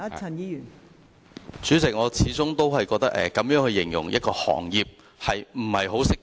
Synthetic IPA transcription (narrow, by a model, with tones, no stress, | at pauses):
ɐ˨˩njiː˧˥jyː˨˩n | t͡ʃyː˨˥t͡sɪ˨k̚ŋɔː˨˧t͡sʰiː˨˥t͡sʊ˥ŋt̪o˥whɐ˨jkɔː˧k̚t̪ɐ˥kʔɛ̰ː˨kɐ˨˥mjœː˨˥ŋhɵ˧ɥjɪ˨˩ŋjʊ̰˨˩ŋjɐ˥t̚kɔː˧hɔ̰ː˨˩ŋjiː˨p̚ | hɐ˨jm̩˨˩hɐ˨jɦo˨˥wsɪ˥k̚